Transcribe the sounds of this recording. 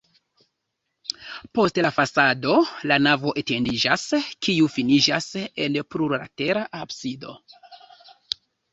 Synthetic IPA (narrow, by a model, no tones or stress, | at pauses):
po̞stlafasado̞lanavo̞ʔete̞ndid͡ʒaskiufinid͡ʒase̞npluɾɾa̰te̞ɾaʔabsido̞̰